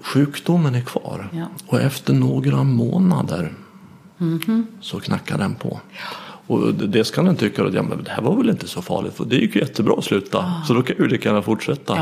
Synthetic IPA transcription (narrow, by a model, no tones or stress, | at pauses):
ɧʉ̟ːkd̪ʊmːənæɾkʰvɑːɾɔɛft̪əɳoːɡɾamoːna̰d̪əɾ | sɔkʰnakːad̪ɛnpʰɔ̰ | ɔd̪ɛskʰand̪ɛnt̪ʰʏkːaɔ̰at̪jɑ̰ːmɛ̰nnd̪ɛhæɾvaɾvɛlɪnt̪əsɔfɑ̰ːɭɪ̰t̪fɔd̪ɛjɪkːjɵjɛt̪ʰːəbɾɑːɔslʉ̟ːt̪asɔd̪ɔkʰajajʉlɪkːəjæːɳafʊʈʂɛt̪ːa